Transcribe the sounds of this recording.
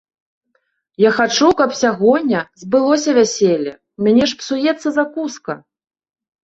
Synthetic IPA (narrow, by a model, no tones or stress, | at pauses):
jaxat͡ʂukɐpsʲaɣɔnʲːɐzbɨlˠɔsʲɐvʲasʲelʲɐ | mʲanʲɛʂpsujɛt̪sːɐzakuskɐ